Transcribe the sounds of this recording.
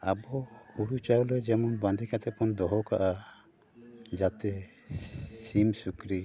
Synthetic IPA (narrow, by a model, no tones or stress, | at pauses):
abɔuɽut͡ʃawlɛd͡ʒɛmɔnbãnd̪ʱikat̪ɛpɔnd̪ɔɦɔkaʔa | d͡ʒat̪ɛ | simsukɾi